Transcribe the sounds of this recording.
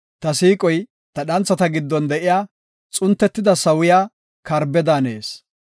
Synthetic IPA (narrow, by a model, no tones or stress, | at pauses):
t̪ɐsiːkʼɔj | t̪ɐɗɐnt͡sːɐt̪ɐɡɪd̪ːɔnd̪ɛʔɪjaː | t͡sʼʊnt̪ːɛt̪ːɪd̪ɐsɐwʊjaː | kɐɾbɛd̪aːne̞ːs